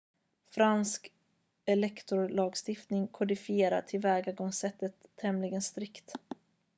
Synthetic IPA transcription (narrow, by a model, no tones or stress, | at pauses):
fɾansk | ɛlɛkt̪ʊɾlɑːɡst̪ɪft̪nɪŋkʰʊd̪ɪfɪeːɾa̰ʈʰɪlvɛːɡaɡɔŋsɛt̪ːət̪ʰːɛmlɪɡənst̪ɾɪkt̪